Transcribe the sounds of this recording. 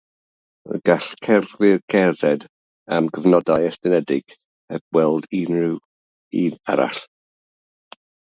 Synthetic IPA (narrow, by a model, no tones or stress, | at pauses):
ə̰ɡ̥aɬkʰɛrðwɪrkʰɛðɛd | amɡəvnɔdajɛstɛnɛdɪɡ̥ | ɛb̥wɛlˠdinrɪw | ina̰ɾa̰ɬ